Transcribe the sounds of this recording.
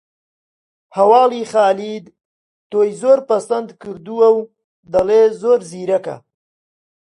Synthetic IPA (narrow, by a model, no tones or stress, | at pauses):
hɐwɑːliχaːlid̪ | t̪ojzoːɾpasand̪kɨɾd̪uaw | d̪alezoːɾziɾaka̰